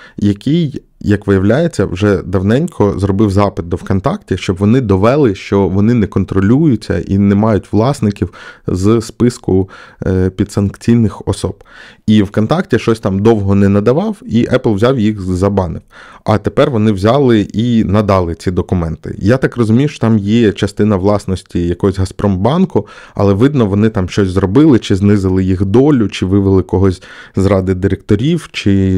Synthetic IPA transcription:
jɐkʲij | jɐkʋɪjɐwlʲajet͡sʲːɐ̰wʒɛd̪ɐwnɛnʲkʰɔzrɔbɪwzɑpɪd̪̚d̪ɔwkɔnt̪ɑktʲiʃt͡ʃɔbʋɔnɪd̪ɔʋɛlˠɪʃt͡ʃɔʋɔnɪnɛkɔnt̪ɾɔlʲujʊt͡sʲːɐ̰ʔḭnɛmɑjʊtʲʋlˠɑsnɪkʲiwzspɪskʊ | pʲid̪sɐnkt͡sʲijnɪxɔ̰sɔb̥iwkɔnt̪ɑktʲiʃt͡ʃɔsʲt̪ɑmd̪ɔwɦɔnɛnɐd̪ɐʋɑwiʔɛplˠwzʲɑwjixzɐbɑnɪwɐt̪epɛrʋɔnɪwzʲɑlˠɪʔinɐd̪ɑlˠɪt͡sʲid̪ɔkʊmɛnt̪ɪ̰jat̪ɑkrɔzʊmʲijʊʃt͡ʃɔ̥t̪ɑmjɛt͡ʃɐst̪ɪnɐʋlˠɑsnɔsʲtʲijɐkɔɦɔsʲɦɐspɾʔɔmbɑnkʊɐ̰lˠɛʋɪd̪nɔʋɔnɪt̪ɑmʃt͡ʃɔsʲzrɔbɪlˠɪt͡ʃɪznɪzɪlˠɪjixd̪ɔlʲʊt͡ʃɪʋɪʋelˠɪkɔɦɔsʲzɾɑd̪ɪd̪ɪɾekt̪ɔɾʲiwt͡ʃɪ

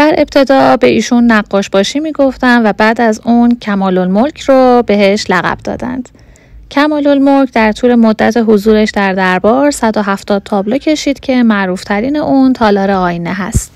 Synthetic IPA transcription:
d̪̥æɾʔe̞b̚t̪ʰe̞d̪ɒːbe̞ʔiːʃunːæɢːɒːʃb̥ɒːʃimiːɡo̞ft̪ænvæbæːd̪æzuncʰæmɒːlolmolcʰrobe̞ɦe̞ʃlæɣæ̰b̥̚d̪ɒ̰ːd̪æ̰nd̪̥ | cʰæmɒːlo̞lmolcʰd̪æɾt̪ʰuːlemod̪ːæt̪ʰeɦozuːɾeʃd̪æɾd̪æɾbɒːɾsæd̪o̞ɦæft̪ɒːd̪̥̚t̪ʰɒːblo̞cʰe̞ʃiːd̪̥cʰe̞mæʔɾuːft̪ʰæɾiːne̞ʔunt̪ʰɒːlɒːɾeɒːjneɦæ̰st̪

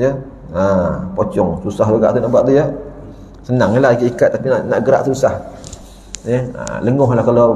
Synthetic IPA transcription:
jə | apɔt͡ʃɔŋsusaɦd̪uɡa̰ʔt̪unaʔbuaʔt̪ujə | sənaŋəlaɡiʔikat̪̚ːapinaʔna̰ʔɡəɾa̰ʔ̪usah | jəa̰ləŋɔɦlahkala

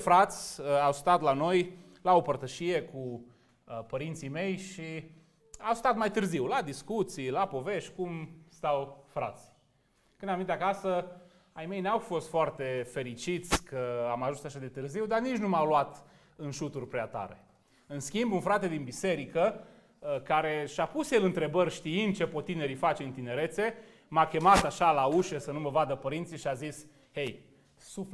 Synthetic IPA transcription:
fɾat̪sʲawst̪at̪lano̞j | lao̞pərt̪əʃije̞ku | pəɾint̪sime̞jʃi | awst̪at̪majt̪ɨrziwlad̪iskut̪sijlapo̞ve̞ʃt̪ʲkumst̪awfɾa̰t̪sʲ | kɨnamint̪eakasə | ajme̞jneawfo̞st̪foart̪e̞fe̞ɾit͡ʃit̪sʲkʰəamaʒunsaʃad̪e̞t̪ɨrziwd̪arnit͡ʃnumawluat̪ | ɨnʃut̪urʲpɾeat̪a̰ɾe̞̰ | ɨnskʲimbunfɾat̪e̞d̪inbise̞ɾikə | kaɾe̞ʃapusjelɨnt̪ɾe̞bərʲʃt̪iɨnd̪̚t͡ʃepo̞t̪ːine̞ɾifat͡ʃeɨnt̪ine̞ɾe̞t̪se̞ | makʲe̞mat̪aʃalauʃesənuməvad̪əpəɾint̪siʃiazis | hej | su

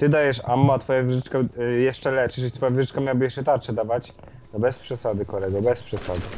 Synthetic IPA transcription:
t̪ɘd̪ajɛʂamːat̪fɔjavʲʐɘt͡ʂkɛjɛʂt͡ʂɛlɛpʂɛt͡ʃɨt̪fɔjavʲəʐɪt͡ʂkamjawabɘjɛʂt͡ʂɛt̪aɾʂɛd̪avat͡ɕ̪ | ɔbɛspʂɛsad̪ɘkɔɾɛɡɔbɛspʂɛsad̪ɘ

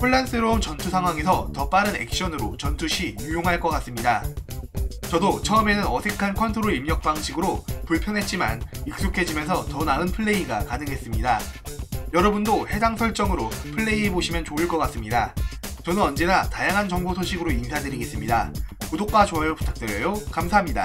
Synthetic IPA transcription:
ɸʰuɭːans͈ɯɾʌunt͡ɕʌntʰusʰaŋɦwaŋe̞sʰʌtʌp͈aɾɯne̞̰k̚ɕ͈ʌnɯɾot͡ɕʌntʰuɕʰijujoŋɦaɭk͈ʌk͈as͈ɯmɲida | t͡ɕʌdot͡ɕʰʌɯme̞nɯnʌsʰe̞kʰankʰʌntʰoɾuimɲʌk̚p͈aŋɕʰiɡɯɾopuɭpʰjʌnɦe̞t̚t͡ɕ͈ima̰nik̚s͈okʰe̞d͡ʑimjʌnsʰʌtʌnaɯnpʰɯɭːe̞iɡakanɯŋɦe̞s͈ɯmɲida | jʌɾʌbundohe̞daŋsʰʌɭt͡ɕ͈ʌŋɯɾopʰɯɭːe̞ieboɕʰimjʌnt͡ɕoɯɭk͈ʌk͈as͈ɯmɲidat͡ɕʌnɯnʌnd͡ʑe̞datajaŋɦant͡ɕʌŋbosʰoɕʰiɡɯɾoinsʰadɯɾiɡe̞s͈ɯmɲida̰kudok̚p͈at͡ɕoeɾɯputʰak̚t͈we̞ɾjʌjokamsʰaɦamɲida̰

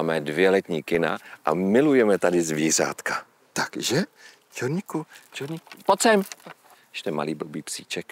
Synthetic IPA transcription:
aːmɛdvjɛlɛt̪ɲiːkɪna̰ʔamɪlujɛmɛt̪adɪzviːr̝a̰ːt̪ka | t̪akʒɛ | t͡ʃɛɾɲikut͡ʃɛɾɲikpot͡sɛm | jʃt̪ɛma̰liːblobiːpsiːt͡ʃɛk

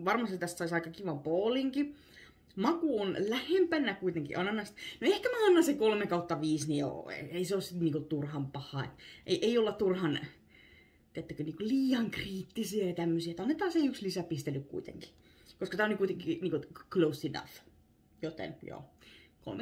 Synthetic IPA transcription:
ʋɑrmɑst̪it̪æst̪sɑisɑikɑkiʋɑmpoːliŋki | mɑkuonlæhempænækuit̪eŋkḭʔɑnːɑnːɑst̪noehkæmæɑnːɑnsekolmekɑut̪ːɑʋiːsnijo̰ḛeiseoˑsit̪niŋkot̪urhɑmpɑhˑɑːḛt̪ʔeiʔeiolːɑtt̪urhɑn | t̪iet̪ːækøniːŋkoliːɑŋkriːt̪ːisiɑjɑt̪æmːøsiæet̪ɑnːet̪ːɑːseiykslisæpist̪elːykkṵit̪ḛŋki̥ | koskɑt̪æonlikuit̪eŋkiniːŋkoklousːinɑ̰f | jot̪ḛnjo̰ːko̰lme

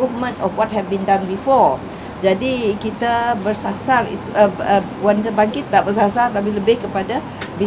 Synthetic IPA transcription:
ufmə̃ntɔfwɔt̚ɦɛd̚bĩndãnbifɔɹ | d͡ʒadikit̪abərsasarḭt̪uə | wanit̪əbaŋkɪt̪̚naʔbərsasart̪ap̬iləbɪhkəpada | bi

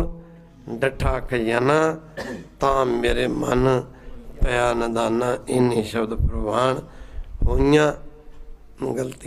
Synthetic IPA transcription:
ɖəʈʰaːkʰɐjanãːt̪ãːmeːɾeːmɐn | pɐjaːnəd̪aːnãːɪnĩːʃɐbd̪pɾbaːɳhoːãː | ɡɐlt̪i

